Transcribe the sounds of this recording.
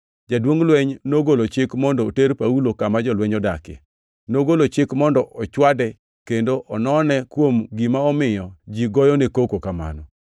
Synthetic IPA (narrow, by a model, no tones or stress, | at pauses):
d͡ʒadwoŋlwɛɲnoɡolot͡ʃɪkmɔndɔoteɾpaulokamad͡ʒɔlwɛɲɔdakɪ̰ | noɡolot͡ʃɪkmɔndɔʔɔt͡ʃwadɛ | kendoʔɔnɔnɛkwomɡimaɔmɪjɔd͡ʒiɡɔjɔnekokokama̰nɔ